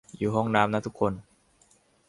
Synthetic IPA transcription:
juː˨˩ɦɔː˦˥˩ŋnaː˦˥mna˦˥t̪ʰu˦˥kʰːo˧n

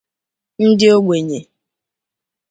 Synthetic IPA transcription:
n̩˦dɪ˦o˦ɡ͡bʷe˨ɲe˨

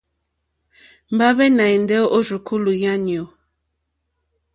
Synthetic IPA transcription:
m˨ba˦bɛ˦na˨i˨n˦dɛ˦o˦d͡ʒu˨kʰu˦lu˨ja˦njo˨

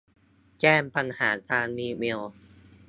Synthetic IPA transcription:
kɛː˥˩mpa˧nhaː˩˦kaː˧nmiː˧mi˧w

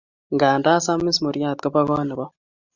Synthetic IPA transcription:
ŋɡaː˨ndaː˦sa˦mi˦smo˨ɾjaː˦˨t̪ka˦pa˦ɣo˦ne˨βa˦

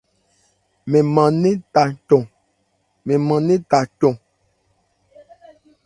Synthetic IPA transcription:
mẽ˨mã˨nẽ˦ta˨t͡ʃɔ̃˨ | mẽ˨mã˨nẽ˦t̪a˨cɔ̃˨

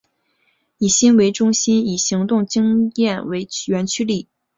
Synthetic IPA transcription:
i˨˩ɕi˥nwe˧˥ɪʈ͡ʂʊ˥ŋɕi˥ni˨˩ɕi˧˥ŋt̪ʊ˥˩ŋt͡ɕi˥ŋjɛ˥˩nwe˧˥ɪɥɛ˧˥nt͡ɕʰy˥li˥˩

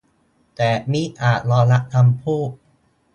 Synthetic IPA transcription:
t̪ɛː˨˩miː˦˥ʔaː˨˩t̪̚ɾɔː˧la˦˥ʔt̪ʰa˧mpʰuː˥˩t̪̚

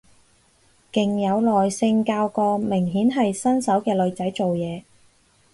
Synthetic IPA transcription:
kɪ˨ŋjɐ˨˧wlɔː˨jsɪ˧ŋkaː˧wkɔː˧mɪ˨˩ŋɦiː˨˥nɦɐ˨jsɐ˥nsɐ˨˥wkɛː˧lɵ˨˧ɥt͡sɐ˨˥jt͡so˨wjɛː˨˧

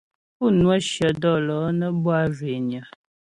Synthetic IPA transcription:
pu˦˨nwə˦ʃjə˨dɔ˦lɔ˨˦nə˦bwa˦˨ʒwe˨njə˨

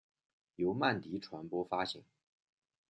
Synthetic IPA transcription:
jo˧˥ʊma˥˩nt̪i˧˥ʈ͡ʂʰwa˧˥npwɔ˥fa˥ɕḭ˨˩˦ŋ

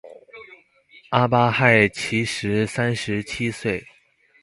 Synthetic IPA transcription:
a˥pa˥xa˥˩ɪt͡ɕʰi˧˥ʂɻ̩˧˥sa˥nʂɻ̩˧˥t͡ɕʰi˥swe˥˩ɪ

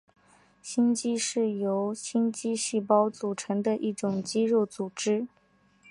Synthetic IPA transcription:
ɕi˥nt͡ɕi˥ʂɻ̩˥˩jo˧˥ʊɕi˥nt͡ɕi˥ɕi˥˩pɑ˥ʊt͡su˨˩ʈ͡ʂʰɤ˧˥ŋd̪ə˧ʔi˥˩ʈ͡ʂʊ˨˩ŋt͡ɕi˥ɻo˥˩ʊt͡su˨˩ʈ͡ʂɻ̩˥

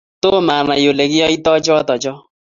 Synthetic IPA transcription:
to˦ma˨nã˨jo˨le˨ɣi˦ɔ˦i˦tɔ˦d͡ʒɔ˦tɔ˨d͡ʒɔ˦

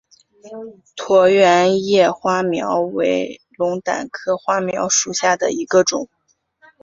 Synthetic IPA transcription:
t̪ʰwɔ˧˥ɥɛ˧˥njɛ˥˩xwa˥mjɑ˧˥ʊwe˧˥ɪlʊ˧˥ŋt̪a̰˨˩nkʰɤ˥xwa˥mjɑ˧˥ʊʂu˨˩ɕja˥˩d̪ə̰˩i˧˥ɡə˧ʈ͡ʂʊ˨˩˦ŋ

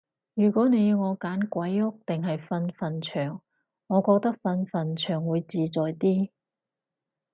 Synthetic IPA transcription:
jyː˨˩kʷɔː˨˥ne˨˧jŋɔː˨˧kaː˨˥nkʷɐ˨˥jʊ˥k̚t̪ɪ˨ŋɦɐ˨jfɐ˧nfɐ˨nt͡ʃʰœː˨˩ŋː | ɔː˨˧kɔː˧k̚t̪ɐ˥k̚fɐ˧nfɐ˨nt͡ʃʰœː˨˩ŋwuː˨˧jt͡siː˨˧t͡sɔː˨jt̪iː˥

